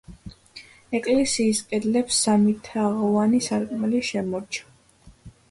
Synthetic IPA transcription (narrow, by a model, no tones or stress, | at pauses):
ɛkʼlɛsiːskʼɛd̪lɛpsːamit̪ʰaʁɔvanisaɾkʼmɛliʃɛmɔɾt͡ʃʰḁ